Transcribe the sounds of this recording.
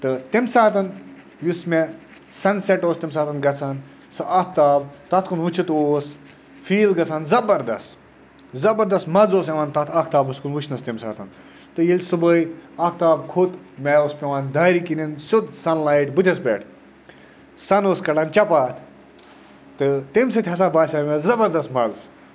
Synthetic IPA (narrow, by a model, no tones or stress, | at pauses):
t̪ɨt̪imsaːt̪ɐn | jusme | sɐnsɛʈoːst̪imsaːt̪ɐnɡɐt͡sʰan | sɨʔak̚ʰt̪aːbt̪ɐt̪ʰkunʋut͡ʃʰit̪oːs | fiːlɡɐt͡sʰanzɐbɐɾd̪ɐ̰st̪ | zɐbɐɾd̪ɐst̪mɐzoːseʋaːnt̪ɐt̪ʰak̚ʰt̪aːbɨskunʋut͡ʃʰnɐst̪emsa̰ːt̪ɐn | t̪ɨjilʲsɨbəjaːk̚ʰt̪aːb̚kʰot̪ | mɛːoːspʲeʋaːnd̪aːɾikinʲinsud̪sɐnlaːiʈbɨt̪ʰʲɐspʲḛːʈ | sɐnoːskɐɽɐnt͡ʃɐpaːt̪ʲʰ | t̪ɨt̪emsɨt̪ʰʲɐs̬aːbaːsʲaːmʲɐszɐbɐɾd̪ɐst̪mɐz